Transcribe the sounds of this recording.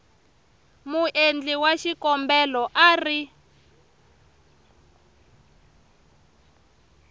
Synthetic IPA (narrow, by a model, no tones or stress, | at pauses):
muʔend͡ɮiwaʃikɔmbɛlɔʔaːri